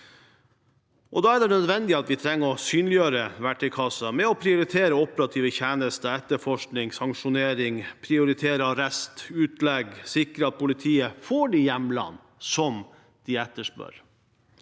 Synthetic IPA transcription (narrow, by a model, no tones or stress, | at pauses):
ʔɔd̪ɑːæɖ̪ɛnœd̪ʋɛnd̪ɪɑt̪ʋɪt̪ʰɾɛŋːəɾɔsyːnlɪjøːɾəʋæʈːɪkʰɑsːəmɛɔpʰɾɪʊɾɪt̪ʰeːɾəɔpəɾɑt̪ʰiːʋəçæːnəst̪əɛt̪ːəfɔʂknɪŋsɑŋʂʊneːɾɪŋpʰɾɪʊɾɪt̪ʰeːɾəɾɛst̪ʉːt̪lɛɡsɪkɾəɑt̪̚pʰʊlɪt̪ʰiːəfoːɖijɛmlɑ̰nː | sɔm | d̪̥ɪɛt̪ːəʂpœ̰ɾ